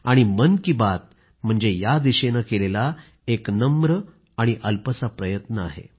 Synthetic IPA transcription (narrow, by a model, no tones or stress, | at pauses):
aɽ̃imənkiːbat̪̚ | m̤əɳd͡zejad̪iɕenakelela | eknəmɾə | aɽ̃iʔəlpət͡sapɾəjət̪nəa̰ɦḛ